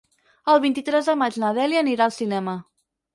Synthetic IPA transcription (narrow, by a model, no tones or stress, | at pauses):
əlˠβint̪it̪ɾɛzðəmad͡ʒnəðɛliəniɾaəlˠsinɛmə